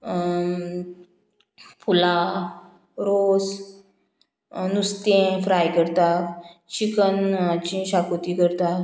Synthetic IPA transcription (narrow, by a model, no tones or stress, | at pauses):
fula | ɾos | nust̪ẽfɾajkəɾt̪at͡ɕikənat͡ɕĩɕakot̪ikəɾt̪a